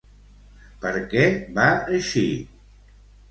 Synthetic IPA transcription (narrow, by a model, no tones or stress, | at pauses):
pəɾkɛbaəʃi